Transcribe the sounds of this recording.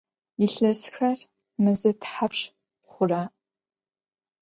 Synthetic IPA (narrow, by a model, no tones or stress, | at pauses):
jɪɬɐsxɐr | mɨzɨtʰħapʂ | χʷʊraː